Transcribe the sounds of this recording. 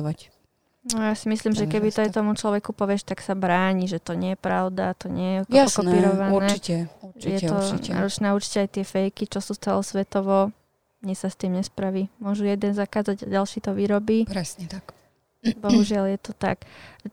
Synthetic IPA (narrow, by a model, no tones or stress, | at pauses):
ʋac | nɔjasimisliːmʒɛkɛbit̪ɔajt̪ɔmut͡ʃlɔʋɛkupɔʋɪɛʃt̪aksabɾaːɲiʒɛt̪ɔɲɪɛjɛpɾaʊd̪a̰t̪ɔɲɪɛjɛjkɔnpiːɾɔʋanɾɛiɛuɾjɛɔna̰ːɾɔt͡ʃnɛauɾt͡ʃi̥cɛajt̪ɪɛfɛjkit͡ʃɔsuːt͡sɛlɔsʋɛt̪ɔʋɔ | ɲɛsast̪iːmɲɛspɾaʋiːmʊɔʒujɛd̪ɛnzakaːd͡zaɟa̰ɟalʃiːt̪ɔʋiɾɔbiːɾɛsɲɛt̪a | bɔɦuʒɪaljɛt̪ɔt̪a̰k